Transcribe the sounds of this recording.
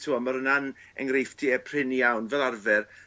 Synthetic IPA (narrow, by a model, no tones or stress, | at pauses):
tʰuːamaɾənan | ɛŋrejfd̥ʰiɛpʰr̥ɪnijawnvɛlˠarvɛr